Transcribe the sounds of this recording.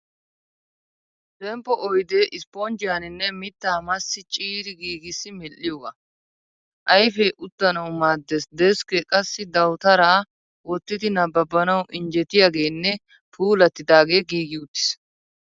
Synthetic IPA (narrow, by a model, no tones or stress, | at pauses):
t̪ɛmpːɔʔɔjd̪eːʔɪspond͡ʒɪjaːnɪnːɛmɪt̪ːaːmɐsːɪt͡ʃʼiːɾɪɡiːɡɪsːɪmɛlːɪjoɡɐ | ʔɐjfɛʔʊt̪ːɐnɐwmaːd̪ːɛsd̪ɛskɛkʼɐsːɪd̪ɐwt̪ɐɾaː | wɔt̪ːɪd̪ɪnɐbɐbːɐnɐwʔɪnd͡ʒɛt̪ːɪjaːɡe̞ːnːɛ | pʰuːlɐt̪ːɪd̪aːɡeːɡiːɡɪʊt̪ːɪ̥s